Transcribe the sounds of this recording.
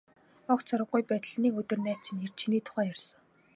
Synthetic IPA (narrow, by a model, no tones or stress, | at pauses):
ɔkt͡sʰɔɾə̆ɡujpæːt̪̆ɮniːkɵt̪ɵ̆rnæːt͡ɕʰĭner̥t͡ɕʰiniːt̪ʰʊ̥χæːjɔrsɞ̆ŋ